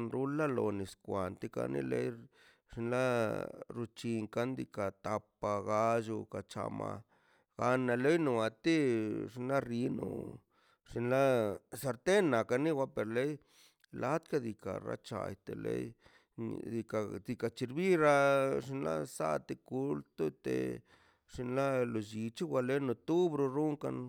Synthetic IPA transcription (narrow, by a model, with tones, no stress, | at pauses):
nɾu˦la˦lo˧ni˨skʷa˨nt̪i˦ka̰˧nḭ˦lḛ˦j | ʐi˧nla˦ɾu˧t͡ʃi˧ŋka˦nd̪i˧ka˨t̪a˧pa˧ɣa˧d͡ʒu˧ka˨t͡ʃa̰˧ma˧ | ɡ̥a˧na˧le˦jnu˨a˨t̪i˦ʐi˧nla˦ri˧˦nṵ˨ | ʐ̥i˧nla˦sa˧ɾt̪e˦nːa˨ka˧ni˦wa˧pe˨ɾle˦j | la˦t̪ka˦d̪i˨ka˨ɾa̰˧t͡ʃa̰˨jt̪e˨lḛ˦j̰ | d̪i˧ka˨d̪i˧ka˧t͡ʃi˧ɾbi˦ɾa˧ʐi˧nla̰˦sa̰˦t̪e˧ku˧lt̪o˦t̪ḛ˨ | ʐ̥i˧nla˦lo˨d͡ʒi˨t͡ʃi˦wa˧le˦jno˧t̪u˦bɾo˧ɾu˦ŋka˧n